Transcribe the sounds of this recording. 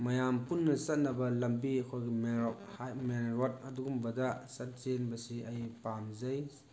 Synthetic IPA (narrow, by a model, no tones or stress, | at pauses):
mɐjampunːɐsɐt̚nɐbɐlɐmbiɐkʰojɡimo | menɾot̚ɐduɡumbɐdɐsɐt̚senbɐsiɐjpamzɐj